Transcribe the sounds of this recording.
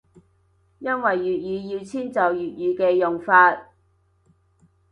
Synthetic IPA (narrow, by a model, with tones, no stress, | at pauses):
jɐ˥nwɐ˨jːyː˨t̚jyː˨˧ji˧wt͡sʰiː˥nt͡sɐ˨wjyː˨t̚jyː˨˧kɛː˧jʊ˨ŋfaː˧t̚